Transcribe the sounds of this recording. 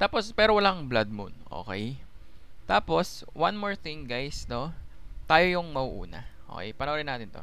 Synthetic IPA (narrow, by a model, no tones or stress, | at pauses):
t̪aːpospɛːɾowɐlaŋblad̪̚mʊ̰nʔo̰ːkɛ̰j | t̪aːpo̞swanmoɹt̪ɪŋɡajsno̞t̪aːjojʊŋmɐwʊʔṵːnɐ̰ʔo̰kɛ̰jpɐnɐwoɾɪnaːt̪ɪnt̪o̰